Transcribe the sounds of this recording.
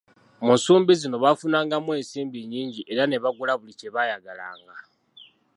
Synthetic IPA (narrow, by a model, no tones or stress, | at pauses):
munsuːmbizino̞βafunaːŋɡamwe̞ːnsiːmbiɲiːɲɟiʔe̞ɾane̞βaɡulaβuliceβajaɡala̰ːŋɡa